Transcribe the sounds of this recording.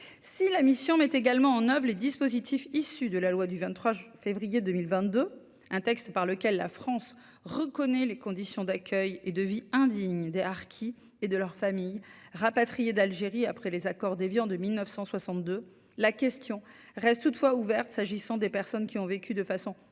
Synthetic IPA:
silamisjɔ̃mɛt̪eɡalmɑ̃ɑ̃nœvʁled̪ispozit̪ʰifisyd̪əlalwad̪yvɛ̃nχwafevʁijed̪ømilvɛ̃t̪̚d̪ø | ɛ̃t̪ɛkst̪paʁləkʲɛlːa̰fχɑ̃s | ʁəkɔnɛlekɔ̃d̪isjɔ̃d̪akʲʰœjed̪əviɛ̃d̪iɲd̪eaʁkʲʰi | ed̪əlœʁfamij | ʁapat̪χijed̪alʒeʁiapχɛlezakɔʁd̪evjɑ̃d̪əmilnœfsɑ̃swasɑ̃t̪d̪ø | lakʲɛst̪jɔ̃ | ʁɛst̪ːut̪fwauvɛʁt̪saʒisɑ̃d̪epɛʁsɔnkʲiɔ̃vekʲyd̪əfasɔ̃

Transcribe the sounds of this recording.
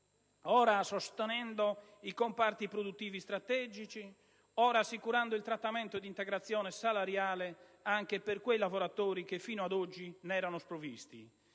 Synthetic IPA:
ɔːɾasost̪ɛnɛnd̪oikompart̪ipɾod̪ut̪ːiːvist̪ɾat̪ɛːd͡ʒit͡ʃi | ɔːɾasːikuɾand̪oilt̪ɾat̪ːamɛnt̪od̪int̪ɛɡɾat̪sːjɔːnɛsalaɾjaːleaŋk̟eperkwejlavoɾat̪oːɾik̟efːiːnoad̪ɔd͡ʒːinɛːɾanospɾovist̪ḭ

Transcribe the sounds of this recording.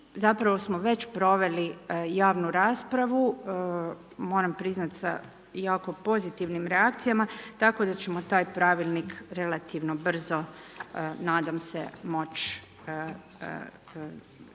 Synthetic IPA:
zapɾaʋo̞smoʋe̞t͡ɕpɾo̞ʋe̞lijaːʋnuɾaːspɾaʋu | mo̞ːɾampɾiznat̪sa̰ | jaːko̞po̞zit̪iʋnimɾeakt̪sijamat̪ako̞d̪at͡ɕe̞mot̪aːjpɾaʋilˠnikɾe̞lˠat̪iʋno̞br̩zo̞ | naːd̪amse̞̰mo̞t͡ʃː

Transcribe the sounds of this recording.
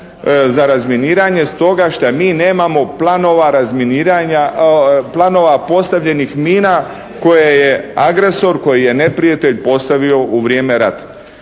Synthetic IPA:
zaɾazminiːɾaɲe̞st̪o̞ɡaʃt̪amiːne̞ːmamo̞planoʋaɾazminiɾaɲaplˠano̞ʋapo̞st̪aʋʎe̞nixmiːna | ko̞jeje̞aɡɾe̞so̞ɾko̞jije̞ne̞pɾijat̪e̞ʎpo̞st̪aʋio̞ʔuʋɾije̞ːme̞ɾat̪ḁ

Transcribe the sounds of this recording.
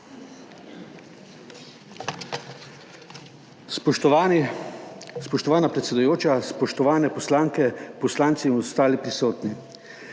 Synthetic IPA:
spɔʃt̪ɔʋaːnapɾɛt̪sɛd̪ujoːt͡ʃaspɔʃt̪ɔʋaːnɛpɔslaːŋkɛpɔslaːnt̪simɔst̪aːlipɾisoːt̪ni

